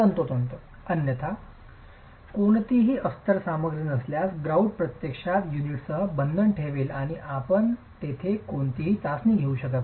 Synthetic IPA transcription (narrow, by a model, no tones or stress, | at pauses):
ənt̪ot̪ənt̪o | ənjət̪ʰa | koɳt̪iɦiːʔəst̪əɾsaməɡɾənəsljasɡɾauɳɖ̚pɾət̪jekʂat̪juniʈsəɦəbənd̪ʱəɳʈʰeʋeːlaɽ̃iʔapəɳt̪et̪ʰekoɳt̪iɦiːt͡sasniɡʱeuɕəkət̪